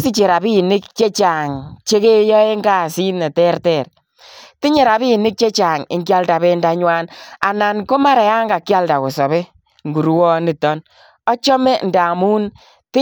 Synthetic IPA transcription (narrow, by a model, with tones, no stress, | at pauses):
si˦t͡ʃe˨ɾa˨bi˦˨nɪ˦k̚t͡ʃe˦t͡ʃa˨ŋt͡ʃe˦ke˦jɔ˦e˦ŋɡa˦˨si˦nɛ˨tɛ˦rtɛ˨r | ti˦ɲe˨ɾa˨bi˦˨nɪ˦k̚t͡ʃe˦t͡ʃa˨ŋɪ̰˨ŋkja˦lda˨be˦nda˧˦ɲwa˦na˨na˨nko˦ma˦ɾɛ˨ja˦ŋɡa˨kja˦lda˨ko˨sɔ˨βe˦ | ŋɡu˨ɾu˦wɔ˦ni˨tɔ˦n | ɔ˦t͡ʃɔ˦mɛ˦nda˨mu˦n | ti˦